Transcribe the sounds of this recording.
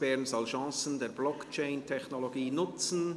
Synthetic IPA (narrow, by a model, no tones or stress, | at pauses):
b̥ɛɾnzɔlʃɑ̃ːsən̩deːɾblɔkt͡ʃɛɪntʰɛçnoloɡiːnʊt͡sn̩